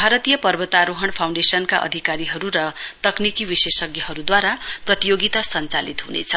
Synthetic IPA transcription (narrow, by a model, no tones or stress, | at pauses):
bʱaɾʌt̪ijʌpʌrbʌt̪aɾoɦʌɳpʰawɳɖesʌnkaʔʌ̰d̪ʱikaɾiɦʌɾuɾʌt̪ʌknikibisesʌɡjʌɦʌɾud̪waɾaprʌt̪ijoɡit̪asʌnt͡salit̪ɦunḛt͡sʰʌ